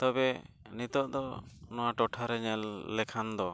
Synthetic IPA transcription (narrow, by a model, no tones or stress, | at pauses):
t̪ɔbɛ | nit̪ɔʔd̪ɔnɔwaʈɔʈʰaɾɛɲɛlːɛkʰand̪ɔ